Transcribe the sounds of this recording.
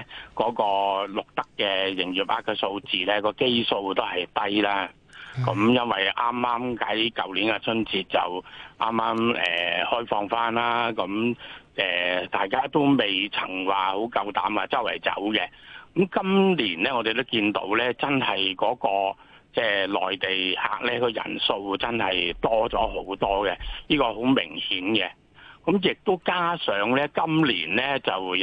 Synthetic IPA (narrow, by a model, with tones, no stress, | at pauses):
kɔː˨˥kɔː˧lʊ˨k̚t̪ɐ˥kːɛː˧jɪ˨˩ŋjyː˨˩p̚ʔaː˧˩kːɐ˧˩so˧wt͡siː˨lɛː˥kɔː˧ke˥jso˧wt̪o˥whɐ˨jt̪ɐ˥jlaː˥ | kɔ˨˥mjɐ˥nwɐ˨jʔaː˥mːaː˥mkɐ˨˥jkɐ˨wliː˨˥nka˧t͡sʰɵ˥nt͡siː˧t̚t͡sɐ̰˨wʔaː˥mːaː˥mɛ̰ː˨˩hɔː˥jfɔː˧ŋfaː˥nlaː˥kɐ˨˥mʔɛː˨t̪aː˨jkaː˥t̪o˥wme˨jt͡sʰɐ˨˩ŋwaː˨˩ho˨˥wkɐ˧wt̪aː˨˥mwaː˨t͡sɐ˥wɐ̰˨˩jt͡sɐ̰˨˥wkɛ˧kɐ˨˦mkɐ˥mliː˨˩nlɛː˥ŋɔː˨˧e˨jt̪̬o˥wkiː˧nt̪o̰˨˥wlɛː˥t͡sɐ˥nhɐ˨jkɔː˨˥kɔː˧ | t͡sɛː˥˩lɔː˨jt̪e˨jha̰ː˨k̚lɛː˥kʰɵ˨˧jɐ̰˨˩nso˧wt͡sɐ˥nhɐ˨jt̪ɔː˥t͡sɔː˨˥ɦo˨˥wt̪ɔː˥kɛ˧jiː˥kɔː˧ɦo˨˥wmɪ˨˩ŋhiː˨˥nɡɛ˧ | kɐ˨˦mjɪ˨k̚t̪o˥wkaː˥sœː˨˥ŋlɛː˥kɐ˥mlḭː˨˩nlɛ˥t͡sɐ˨w